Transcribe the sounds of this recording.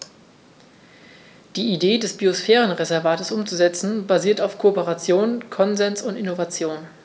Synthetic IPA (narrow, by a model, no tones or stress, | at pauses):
d̥iːideːdɛsb̥iosfɛːʁənʁezɛɐvaːtəsʔʊmt͡suzɛt͡sn̩baziːɐtaʊfkʰoopəʁat͡sjoːnkʰɔnzɛnsʊntɪnovat͡sjoːn